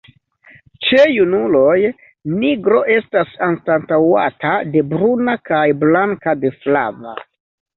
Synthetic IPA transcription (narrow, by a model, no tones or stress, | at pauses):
t͡ʃe̞junulo̞j | niɡɾo̞ʔe̞stasanstantawa̰tade̞bɾunakajblaŋkade̞fla̰va̰